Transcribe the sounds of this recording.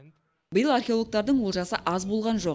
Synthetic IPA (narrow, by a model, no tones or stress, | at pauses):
bəjəlˠarxʲeo̞lˠok̚t̪ɑɾd̪əɴwolˠʒɑsəʔɑzbo̞lˠʁɑnʒo̞q